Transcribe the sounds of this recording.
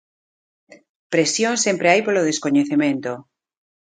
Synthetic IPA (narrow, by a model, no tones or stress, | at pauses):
pɾesjõnsempɾeajpoloð̞eskoɲeθemẽnt̪o